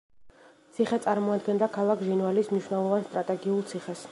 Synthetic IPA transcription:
t̪sʰiχɛt̪sʼaɾmɔad̪ɡɛnd̪akʰalˠakʰʒinvalismniʃwnɛlˠɔvanst̪ʼɾat̪ʼɛɡiulˠt̪sʰiχɛs

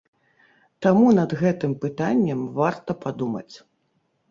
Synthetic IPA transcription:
t̪amunɐd̪ɣɛt̪ɨmpɨt̪anʲːɐmvart̪ɐpad̪umɐ̰t͡sʲ

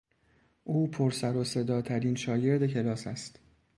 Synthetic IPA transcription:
ʔuːpʰoɾsæɾose̞d̪ɒːt̪ʰæɾinʃɒːje̞ɾd̪e̞cʰe̞lɒːsæst̪

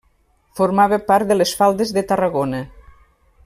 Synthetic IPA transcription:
foɾmaβəpaɾt̪dðəlesfalˠd̪ezðət̪ərəɣonə

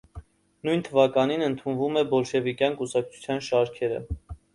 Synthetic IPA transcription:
nujnt̪ʰəvɑkɑninənt̪ʰunvumɛbɔlʃɛvikjɑnkusɑk̚t͡sʰu̥t͡sʰjɑnʃɑɾkʰɛɾə̰

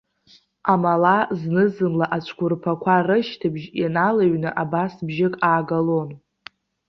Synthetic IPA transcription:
amalaznɨzɨmlaʔat͡ʃʷʰkʷʊrpʰakʷʰarɨʃtʰabʒanalaɥnɨʔabasbʒɪkʼaːɡalon

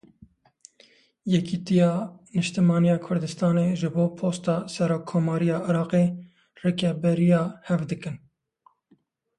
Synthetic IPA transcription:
jɛkit̪ijɑːnɨʃt̪ɨmɑːnijɑːkʰʊɾd̪ɨst̪ɑːneːʒɨboːpʰoːst̪ɑːsɛɾoːkʰːoːmɑːɾijɑːʔɪɾɑːqe | rekɛbɛɾijɑːhɛvd̪ɨkɨn

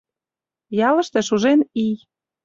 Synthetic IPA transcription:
jɑlɤ̆ʃt̪ĕʃuʒenij

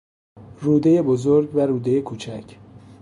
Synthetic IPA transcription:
ruːd̪e̞jebozoɾɟvæɾuːd̪ejekʰuːt͡ʃʰæcʰ

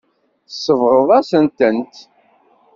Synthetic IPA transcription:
θsːəvɾˤoðˤasənt̪ənt̪

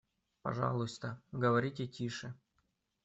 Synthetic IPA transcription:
pɐ̰ʐɑ̰lˠʊst̪əɡəʋɐɾʲitʲetʲiʂɨ

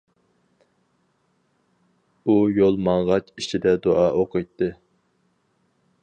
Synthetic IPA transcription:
ujolˠmɑŋʁɑt͡ʃit͡ʃʰid̪ɛd̪oʔɑːʔoqəjt̪ʰːɨ

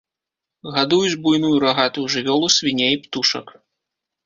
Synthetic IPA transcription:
ɣad̪ujud͡zʲbujnujuɾaɣat̪uwʐɨvʲɔlˠusʲvʲinʲejipt̪uʂɐ̰k

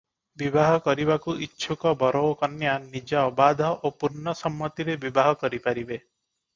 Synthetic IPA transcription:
bibaɦɔkɔɾibakuitːʃʰukɔbɔɾɔwkɔnjanid͡ʒaːbad̪ʱɔʔopuɾnɔsɔmːɔt̪iɾebibaɦɔkɔɾipaɾibe

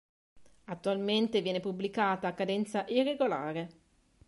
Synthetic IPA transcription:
at̪ːualment̪evjɛːnepubːlikaːt̪aːkːad̪ɛnt̪saʔirːeɡolaːɾe

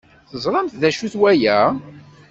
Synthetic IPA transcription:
θəzˤɾˤɑmθðæʃuθwæjæ

